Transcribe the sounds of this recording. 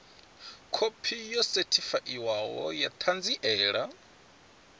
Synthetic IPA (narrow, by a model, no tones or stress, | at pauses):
kʰopʰijɔsetʰifaʔiwawɔ̰jat̪ʰand͡ziʔɛːɺa